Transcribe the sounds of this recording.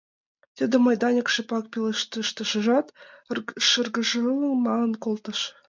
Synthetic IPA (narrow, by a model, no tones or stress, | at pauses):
t̪ʲĕd̪ʲĕmɑjd̪ɑnʲĕkʃĕpɑk̚pʲelˠɤʃt̪əʃt̪ə̆ʃɤ̆ʒɑt̪ | ʃə̆rɡə̆ʒlˠɤ̆ŋmɑlˠɤ̆nkolˠt̪ɤ̆ʃ